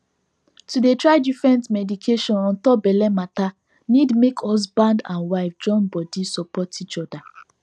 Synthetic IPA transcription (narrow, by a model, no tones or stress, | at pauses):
tudetɹaɪdifɹɛ̃ntmɛdikʰeʃɔ̃nãntɔbɛlɛmata | nidmekʰɔs̬bãndã̰nwaɪfd͡ʒɔ̃nbɔdisɔpɔtit͡ʃɔda